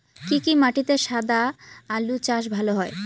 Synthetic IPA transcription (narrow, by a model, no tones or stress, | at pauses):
kikimaʈit̪eʃad̪aalut͡ɕaʃ̬bʱaloɦɔe